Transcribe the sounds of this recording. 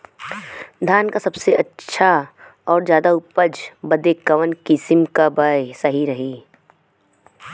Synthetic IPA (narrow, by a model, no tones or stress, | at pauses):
d̪ʱaːnkasɐbseɐtːʃʰaɔːɾd͡ʒjaːd̪aʊpəd͡ʒbɐd̪ekɐʋənkɪsɪmkabajsɐɦiɾɐɦiː